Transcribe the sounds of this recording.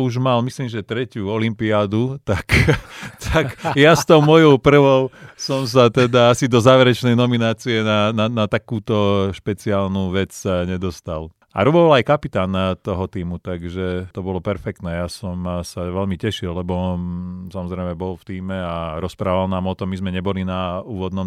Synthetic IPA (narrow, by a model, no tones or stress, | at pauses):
uʒmalmisliːmʒɛt̪ɾɛcuɔlimpiaːd̪ut̪akt̪ʰakjast̪ɔʊmɔjɔʊpr̩ʋɔʊsɔms̬at̪ɛd̪aasid̪ɔzaːʋɛɾɛt͡ʃnɛjnɔminaːt͡siɛnananat̪akuːt̪ɔʃpɛt͡siaːlnuːʋɛt͡sɲɛd̪ɔst̪al | a̰ɾubɔʋalajkapit̪aːnt̪ɔɦɔt̪iːmut̪aɡʒɛt̪ɔbɔlɔpɛɾfɛkt̪nɛːjasɔmsaʋɛlmicɛʃilːɛbɔnsamɔzɾɛjmɛbɔlft̪iːmɛaɾɔspɾaːʋalnaːmɔt̪ɔmːizmɛɲɛbɔlinauːʋɔd̪nɔm